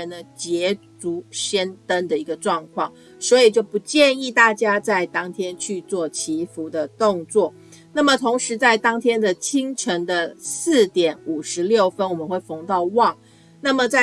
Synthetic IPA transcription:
ə˧˥nd̪ə˧t͡ɕjɛ˧˥t͡su˧˥ɕə˥nt̪ə˥nd̪ə˨i˧˥ɡə˧ʈ͡ʂwɑ˥˧ŋkʰwɑ˥˩ŋ | swɔ˧˥i˨˩t͡ɕjo˥˩ʊpu˧˥t͡ɕjɛ˥˧ni˥˧t̪a˥˩t͡ɕja˥t͡sa˥˩ɪt̪ɑ˥ŋt̪ʰjɛ˥nt͡ɕʰy˥˧t͡swɔ˥˩t͡ɕʰi˧˥fu˧˥d̪ə˧t̪ʊ˥˧ŋt͡swɔ˥˩ | na˥˩mə˨t̪ʰʊ˧˥ŋʂɻ̩˧˥t͡sa˥˩ɪt̪ɑ˥ŋt̪ʰjɛ˥nd̪ə˨t͡ɕʰi˥ŋʈ͡ʂʰə˧˥ŋd̪ə˧s̩˥˩t̪jɛ˨˩˦nu˨˩ʂɻ̩˧˥ljo˥˩ʊfə˥nwɔ˨˩mə˨˦nxwe˥˩ɪfo˧˥ŋt̪ɑ˥˧ʊwɑ˥˩ŋ | na˥˩mə˨˩t͡sa˥˩

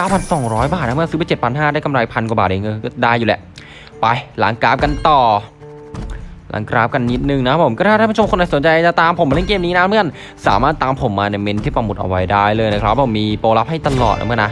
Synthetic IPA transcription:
aː˧˥˩wpʰa˧nsɔ˨˩ŋɾɔː˦˥jbaː˨˩t̪̚na˦˥mɯ˥˩əsɯ˧˦˥ba˧jt͡ɕe˨˩t̚pʰa˧nɦaː˥˩da˥˩jka˧mɾaː˧jpʰa˧nkwa˨˩baː˨˩ʔa˨˧˦ŋɤ˧nkɔ˥˩daː˥˩jːuː˨˩lɛ̰˦ʔ | pa˧jla˨˩˦ŋkɾaː˦˥p̚ka˧nt̪ɔː˨˩ | la̰˨˩˦ŋkɾaː˦˥p̚ka˧nːi˦˥t̪̚nɯ˨˩ŋna˧˦˥pʰo˩˦mkːɾʰa˥aː˥˩pːʰo˧mkʰo˧naː˧˩su˩˦nt͡ɕa˧jt͡ɕa˨˩t̪aː˧mpʰo˩˦ma˧le˥˩ŋkeː˧mniː˦˥na˦˥mɯ˥˩ə˨˩n | saː˩˦maː˥˩t̪ːaː˧mpʰo˩˦mːaː˧na˧˥˩me˧˥nt̪ʰiː˥˩pa˧mu˨˩ʔa̰˧˩wa˦˧jdaː˥˩jlɤː˧jna˦˥kʰɾa˦˥p̚ːw̚aː˥˩miː˧poː˧la˦˥p̚ha˥˩jt̪a˧lɔ̰ː˨˩t̪̚ʔa̰˧m˥˩˨na˦˥

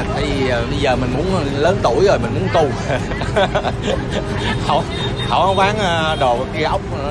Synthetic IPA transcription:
t̪aː˧˩˦jvi˨˩˨ɓə˧jzəː˨˩mï˨˩ŋ̟mu˨˦ən˧ləː˨˦nt̪ṵ˧˩əjzo˨˩jmï˨˩ŋ̟mu˨˦ənt̪u˧ | hə̰˧˩˦w | hə̰˨˧˩wʔa˨˦wɓaː˨˦nː˧ɗo˨˩˨ki˧əʔə˦˥wk͡p̚

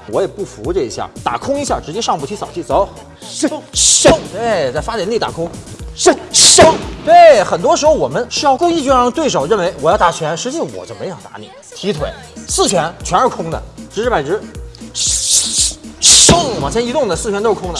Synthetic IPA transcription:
wɔ˧˥jɛ˨˩pu˥˩fu˧˥ʈ͡ʂɤ˥˧i˧˥ɕja̰˥˩t̪a̰˨˩kʰʊ˥ŋi˧˥ɕja˥˩ʈ͡ʂɻ̩˧˥t͡ɕjɛ˥ʂɑ˥˧ŋpu˥˩t̪ʰi˥sɑ˨˩ʊt͡ɕʰi˥˩t͡so˧˥ʊ˥ | t̪we˥˧˩ɪt͡sa˥˩ɪfa˥jɛ˧˥li˥˩t̪a̰˨˩kʰʊ˥ŋ˥ | t̪we˥˩ɪxə˨˩nt̪wɔ˥ʂɻ̩˧˥xo˧˩ʊwɔ˨˩mə˦nʂɻ̩˥˧jɑ˥˧ʊku˥˧i˥˧t͡ɕy˥ɑ˥ŋt̪we˥˩ɪʂo˨˩ʊɻə˥˩nwe˧˥ɪwɔ˨˩jɑ˥˩ʊt̪a˨˩t͡ɕʰɥɛ˧˥nʂɻ̩˧˥t͡ɕi˥˧ʂwɔ̰˨˩t͡ɕo˥ʊme˧˥jɑ˨˩t̪a̰˧˥nḭ˨˩˦ | t̪ʰi˧˥t̪ʰwe˧˩˦ɪsɹ̩˥˩t͡ɕʰɥɛ˧˥nt͡ɕʰɥɛ˧˥nə˞˧˥kʰʊ˥ŋd̪ə̰˨ʈ͡ʂɻ̩˧˥ʂɻ̩˥˩pa˨˩ɪʈ͡ʂɻ̩˧˥ | ŋwɑ˨˩ŋt͡ɕʰjɛ˥ni˧˥t̪ʊ˥˩ŋd̪ə˩sɹ̩ʰ˥˩ɥnt̪o˥˧kʰʊ˥ŋd̪ə˨

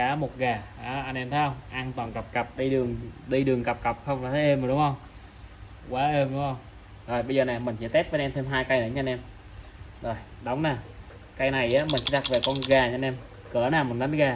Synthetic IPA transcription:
kaː˨˧˦mo˨˩t̚ɣaː˨˩ʔaː˨˩˦ʔa˧nʔɛ˧mt̪ʰa˨˦ə˧ŋ͡mʔaː˧nt̪waː˨˩nka˨˩p̚kə˨˩p̚ɗi˧ɗɨ˨˩əŋɗi˧ɗɨ˨˩əŋkə˨˩p̚kə˨˩p̚xə˧wŋ͡mlaː˨˩t̪ʰə˨˦ʔə˧mː˨˩ɗʊ˨˦ŋ͡mhə˧wŋ͡m | kwaː˨˦ʔe˧mɗʊ˨˦ŋ͡mhə˧wŋ͡m | zo˨˩jɓə˧zəː˨˩na˨˩mï˨˩ŋ̟t͡ɕḭ˧˦t̪ɛ˦˥p̚ɓa˧nʔɛ˧mt̪ʰe˧mɦaː˧jka˧jnə˨˩˦ɲa˧nʔɛ˧m | zo˨˩j | ɗə˨˦wŋ͡mnaː˨˩ | ka˧jna˨˩jʔaː˨˦mi˨˩ŋ̟t͡ɕi˧˦ɗa˨˩k̚ve˨˩kɔ˧nɣaː˨˩ɲa˧nʔɛ˧m | kəː˧˩˦naː˨˩mə˨˩na˨˦nɣaː˨˩

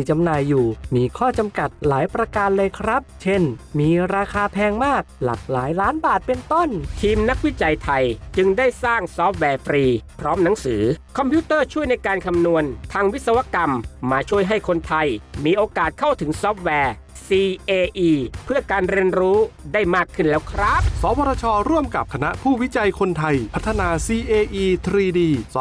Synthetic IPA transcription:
t͡ɕa˧mnaː˧jːuː˨˩miː˧kʰɔː˥˩t͡ɕa˧mka˨˩t̪̚laː˩˦jpɾa˧kaː˧nlɤː˧jkʰɾa˦˥p̚t͡ɕʰe˥˩nmiː˧ɾaː˧kʰaː˧pʰɛː˧ŋmaː˥˩k̚la̰˨˩k̚laː˩˦jlaː˦˥nbaː˨˩t̪̚pe˧nt̪o˥˩nt̪ʰiː˧mna˦˥k̚wi˦˥t͡ɕa˧jt̪ʰa˧jt͡ɕɯ˧ŋdaː˥˩jsaː˥˩ŋsɔː˦˥p̚wɛː˧˩fɾiː˧pʰɾɔː˦˥mna˩˦ŋsɯː˩˦kʰɔ˧mpʰjiː˦˥t̪ɤː˥˩t͡ɕʰu˥˩əjna˧jkaː˧nkʰa˧mnu˧ənt̪ʰaː˧ŋwi˦˥sa˧wa˧˥ka˧mːaː˧t͡ɕʰu˥˩əjɦa˥˩jkʰo˧nt̪ʰa˧jmiː˧ʔoː˧kaː˨˩t̪̚kʰa˥˩wt̪ʰɯ˩˦ŋsɔː˦˥p̚wɛː˧ | siː˧ʔeː˧ʔiː˧pʰɯ˥˩ɐkaː˧nɾi˧ənɾuː˦˥daː˥˩jmaː˥˩kʰːɯ˥˩nlɛː˦˥˩wkʰɾa˦˥p̚sɔː˩˦wɔː˧ɾaː˧t͡ɕʰɔː˧ɾu˥˩əmka̰˨˩p̚kʰa˧na˦˥ʔpʰuː˥˩wi˦˥t͡ɕa˧jkʰo˧nt̪ʰa˧jpʰa˦˥t̪ʰːa˧naː˧siː˧ʔeː˧ʔiː˧t̪ʰɾiː˧diː˧

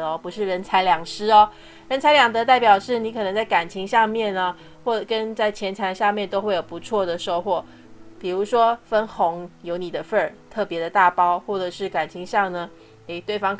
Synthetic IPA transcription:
ɔ˧pu˧˥ʂɻ̩˥˩ɻə˧˥nt͡sʰa˧ɪljɑ˨˩ŋʂɻ̩˥ɔ˧ | ɻə˧˥nt͡sʰa˧˥ljɑ˨˩ŋt̪ɤ˧˦t̪a˥˩ɪpjɑ˨˩ʊʂɻ̩˥˩ni˧˥kʰɤ˨˩nə˧ŋt͡sa˥˩ɪka˨˩nt͡ɕʰi˧˥ŋɕɑ˥˧ŋmjɛ˥˩nə˩ | xwɔ˥˩˨kə˦nt͡sa˥˩ɪt͡ɕʰjɛ˧˥nt͡sʰa˧˥nʂjɑ˥˧mjɛ˥˩nt̪o˥ʊxwe˥˩ɪjo˨˩ʊpu˧˥t͡sʰwɔ˥˩d̪ə˩ʂo˥˧ʊxwɔ˥˩ | pi˨˩ɻu˧˥ʂwɔ˥fə˥nxʊ˧˥ŋjo˧˥ʊni˨˩d̪ə˦fə˥˨˩t̪ʰɤ˥˩pjɛ˧˥d̪ə˧t̪a˥˨pɑ˥ʊxwɔ˥˩ʈ͡ʂɤ˨˩ʂɻ̩˥˩ka˨˩nt͡ɕʰi˧˥ŋɕɑ˥˩ŋnə˩ | e˥˩ɪt̪we˥˩ɪfɑ˥ŋ

